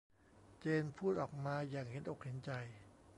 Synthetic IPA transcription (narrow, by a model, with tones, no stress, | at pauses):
t͡ɕeː˧npʰuː˥˩t̪̚ʔɔː˨˩k̚maː˧jaː˨˩ŋhe˩˦nʔo˨˩k̚he˩˦nt͡ɕa˧j